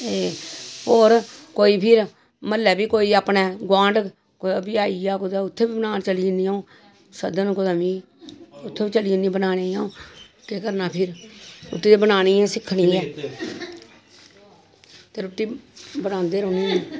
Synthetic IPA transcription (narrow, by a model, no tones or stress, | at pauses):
eːoːɾkoːiːpʰɪɾ | məlːɛːbiːkoːiːaːpnɛːɡwãːɳɖ | kobiaːiːaːkʊd̪aːʊt̪ʰːeːbiːbənaːnt͡ʃəliːniːãːũː | səd̪ənkʊd̪aːmiː | ʊt̪ʰːeːbiːt͡ʃəliːniːbənaːneːãːõːt̪eːkəɾnaːpʰɪɾɾʊ̰ʈːiːd̪eːbənaːniːɛːsɪkʰːɽiːɛ̃ː | t̪eːɾʊʈːiːbənãːnd̪eːɾõːnĩːiː